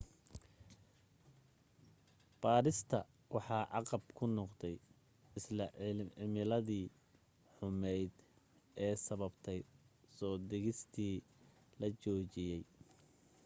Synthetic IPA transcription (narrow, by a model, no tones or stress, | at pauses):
b̥aːɾɪst̪ʰɐ | wɑħɑːʕɑqɑbkʰʊnɔqd̪ɛj | ɪslɐɪmɪlɐðiː | ħʊmɛjd̪ | ʔɛːsɐβɐbt̪ʰɛjsɔːd̪ɛɣɪst̪ʰiː | lɐt͡ʃɔːt͡ʃɪjɛj